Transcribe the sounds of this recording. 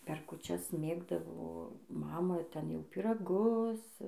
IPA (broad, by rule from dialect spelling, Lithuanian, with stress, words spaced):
pʲɛr kʊˈt͡ʃʲɛs ˈmʲeːɡdɐʋoː ˈmɑːmɐ ˈtʲɛn jɛʊ pʲiːrɐˈɡʊs